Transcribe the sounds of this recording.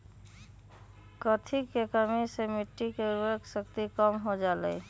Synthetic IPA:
kət̪ʰikekəmisemiʈːikeɾueksəkt̪ikəmɦod͡ʒalə̰j

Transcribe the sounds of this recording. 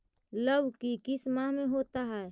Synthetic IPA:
ləwkikismaɦmẽɦot̪aɦɛː

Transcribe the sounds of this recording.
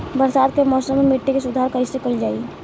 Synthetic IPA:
bəɾsad̪kemɔsəmemiʈːikesud̪ʱaɾkəisekəld͡ʒaːi

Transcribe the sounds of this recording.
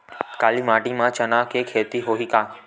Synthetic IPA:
kaːlimaːʈimãːt͡ʃənaːkeːkʰeːt̪iɦoːɦiːkaː

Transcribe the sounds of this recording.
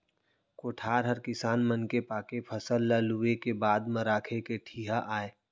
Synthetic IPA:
koːʈʰaːɾɦəɾkɪsaːnmənkepaːkepʰəsəlːaluekebaːd̪mə̃ɾaːkʰekeʈʰiːɦaʔaːeː

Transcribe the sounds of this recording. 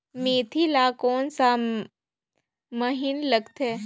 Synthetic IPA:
meːt̪ʰilaːkoːnsa | məɦinləɡt̪ʰɛː

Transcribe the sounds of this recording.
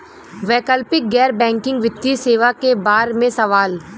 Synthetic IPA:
ʋɛːkəlpɪk̚ɡɛːɾbɛ̃ːŋkɪ̃ŋɡʋɪt̪ːiseːʋakebaːɾmẽsɐʋaːl

